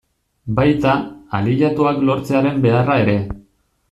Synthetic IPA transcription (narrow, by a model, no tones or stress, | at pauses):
bajt̪aaliʎat̪uaklo̞ɾt͡se̞aɾe̞mbe̞arae̞ɾe̞